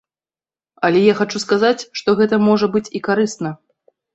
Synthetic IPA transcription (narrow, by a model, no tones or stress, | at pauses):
ɐlʲɛjaxat͡ʂuskazat͡sʲʂt̪ɔɣɛt̪ɐmɔʐɐbɨt͡sʲikaɾɨst̪nɐ